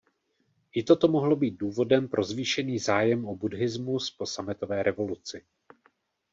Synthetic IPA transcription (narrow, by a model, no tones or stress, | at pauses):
ʔɪt̪o̞t̪o̞mo̞ɦlo̞biːt̪̚duːvo̞dɛmpɾʔo̞zviːʃɛniːzaːjɛmʔobudɦɪzmuspo̞samɪt̪o̞vɛːɾʔɛvo̞lut͡sɪ